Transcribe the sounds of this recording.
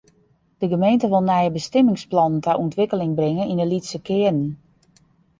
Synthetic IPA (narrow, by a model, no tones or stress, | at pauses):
d̥əɡəmejntəʋɪlˠnɛjəbəstɪmɪŋsplɔnəntʰɛʔuntʋɪkəlɪŋbrɪŋənindəlisəkʰɪən̩